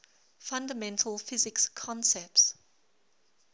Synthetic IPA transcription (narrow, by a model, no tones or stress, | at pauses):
fãndəmɛ̃ntʰəlˠfɪzɪkskʰɔ̃nsɛp̚ts